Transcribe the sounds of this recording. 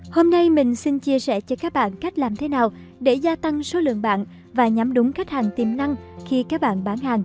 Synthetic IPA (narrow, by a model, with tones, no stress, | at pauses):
ho˧mna˧jmï˨˩ŋ̟si˧nt͡ɕi˧əsɛ˧˩t͡ɕɔ˧kaː˦˥k̚ɓa̰ː˧˨nka˦˥jk̟̚laː˨˩mt̪ʰe˨˦naː˨˩w | ɗe˧˩zaː˧t̪a˧ŋso˨˦lɨ̰˧˨əŋɓa̰ː˧˨n | vaː˨˩ɲa˨˦mɗʊ˨˦ŋ͡mka˦˥jk̟̚haː˨˩ŋt̪i˨˩mna˧ŋxi˧kaː˦˥k̚ɓa̰ː˧˨nɓaː˨˧˦nhaː˨˩ŋ